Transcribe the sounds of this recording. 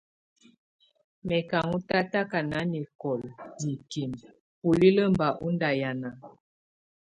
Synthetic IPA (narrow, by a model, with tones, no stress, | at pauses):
mɛ˨ka˨ŋu˦ta˦ta˦ka˨na˨˦ni˨kɔ˨ldi˨ki˨m | pu˨li˦lə˦mba˨ʔu˦nda˨ja˨na˨